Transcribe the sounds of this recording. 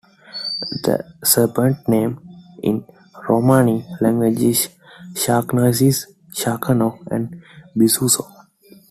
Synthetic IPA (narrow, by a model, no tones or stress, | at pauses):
d̪ə̰səɾpə̃ɳʈ̚nẽːmɪ̰̃n | ɾoːmaːnilɛ̃ŋɡʋed͡ʒis | ʃaːknoːɪsis | ʃaːkʰənoːɛ̰̃ɳbisuːsoː